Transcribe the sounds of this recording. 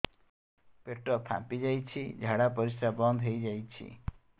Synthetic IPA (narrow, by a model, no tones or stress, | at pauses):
peʈrʌpʰã̰pid͡ʒajt͡ʃʰid͡ʒʱaɽapʌɾisɾabʌnd̪ʱɦejd͡ʒajt͡ʃʰḭ